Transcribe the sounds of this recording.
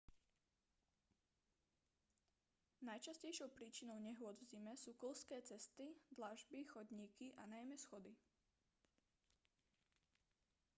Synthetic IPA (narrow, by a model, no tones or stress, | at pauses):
najt͡ʃascɛjʃɔʊpɾiːt͡ʃinɔʊɲɛɦʊɔd̪vzimɛsuːkl̩skɛːt͡sɛst̪id̪laʒbixɔd̪ɲiːkiʔanajmɛsxɔd̪i